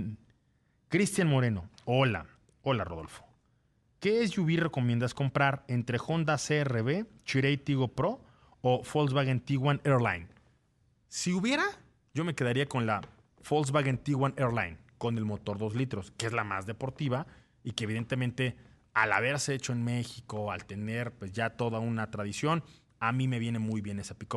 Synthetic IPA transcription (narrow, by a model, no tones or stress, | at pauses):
kɾist̪janmo̞ɾe̞no̞̰ola̰ | o̞laroðo̞̰lfo̥ | ke̞ezʝuβire̞ko̞mjend̪asko̞mpɾaɾe̞nt̪ɾe̞xo̞nd̪ase̞ere̞βe̞t͡ʃiɾejt̪iɣo̞pɾo̞ | ofolzβaɣent̪iɣwaneɾla̰jn | siuβje̞ɾa | ɟo̞me̞ke̞ð̞aɾiako̞nla | fo̞lz̬βaɣent̪iɣwaneɾla̰jnko̞ne̞lmo̞t̪o̞ɾðo̞zlit̪ɾo̞skeezlama̰zðe̞po̞ɾt̪iβa | ikeβ̞iðe̞nt̪e̞mẽnt̪e̞ | ala̰βe̞ɾseet͡ʃo̞e̞nme̞xiko̞a̰lt̪e̞ne̞ɾpwe̞zʝat̪o̞ðaunat̪ɾaðisjo̞n | amĩme̞βje̞ne̞mujβje̞ne̞sapiko